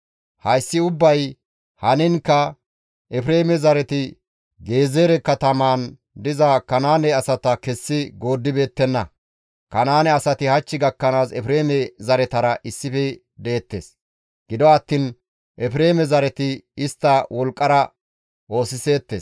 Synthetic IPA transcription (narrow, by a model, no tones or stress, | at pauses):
hɐjsːɪʊbːɐj | hɐnɪnkːɐ | ʔɛfɾe̞ːmɛzɐɾɛt̪ɪ | ɡe̞ːzeːɾɛkːɐt̪ɐmaːn | d̪ɪzɐkɐnaːnɛɐsɐt̪ɐkɛsːɪɡo̞ːd̪ːɪbe̞ːt̪ːɛnːɐ | kɐnaːnɛɐsɐt̪ɪhɐt͡ʃːɪɡɐkːɐnaːsɛfɾe̞ːmɛzɐɾɛt̪ɐɾɐʔɪsːɪfɛ | d̪e̞ːt̪ːe̞ːs | ɡ̥ɪd̪ɔɐt̪ːɪn | ʔɛfɾe̞ːmɛzɐɾɛt̪ɪɪst̪ːɐwɔlkʼːɐɾɐ | wo̞ːsɪse̞ːt̪ːeːs